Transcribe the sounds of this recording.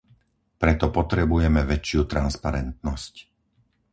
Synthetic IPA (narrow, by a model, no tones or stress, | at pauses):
pɾɛt̪ɔpɔt̪ɾɛbujɛmɛʋɛt͡ʃɪut̪ɾanspaɾɛnt̪nɔsc